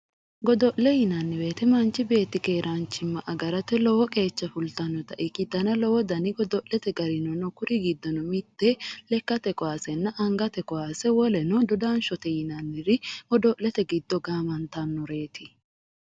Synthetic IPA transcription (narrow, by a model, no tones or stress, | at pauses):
ɡɔd̪ɔʔlɛjɪnɐnːɪbe̞ːt̪ɛmɐnt͡ʃːɪbe̞ːt̪ːɪke̞ːɾʔant͡ʃːɪmːɐʔɐɡɐɾɐt̪ɛlɔwɔkʼe̞ːt͡ʃːɐfʊlt̪ɐnːɔt̪ɐʔɪkɪt̪ːɐnɐlɔwɔd̪ɐnɪɡɔd̪ɔʔlɛt̪ɛɡɐɾɪnɔnɔkʊɾɪɡɪd̪ːɔnɔmɪt̪ːɛlɛkːɐt̪ɛkɔwaːsɛnːɐʔɐŋɡɐt̪ɛkɔwaːsɛwɔlɛnɔd̪ɔd̪aːnʃɔt̪ɛjɪnɐnːɪɾɪwɔd̪ɔʔlɛt̪ɛɡɪd̪ːɔɡaːmɐnt̪ɐnːɔɾe̞ːt̪ɪ